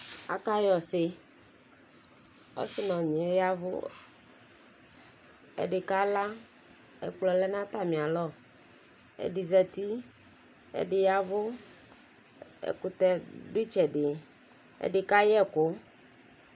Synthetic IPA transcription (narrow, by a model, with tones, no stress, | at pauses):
a̰˨ka˦jɔ˨sɪ˨ | o̰˦si˦nɔ̃˨ɲẽ˨˦ja˦vo̰˦ | ḛ˨ɖe˨ka˦la˦ | ḛ˨k͡plɔ˨lɛ˦nã˦t̪a˦mĩ˨a˨lɔ˦ | ḛ˨di˨zɛ˨t̪i˦ | ḛ˨ɖɪ˨ja˦vo˦ | ḛ˨ku˨t̪ɛ˦di˦t͡ʃɛ˨ɖɪ˨ | ḛ˦˨ɖɪ˨ka˦jɛ˦˨ko˦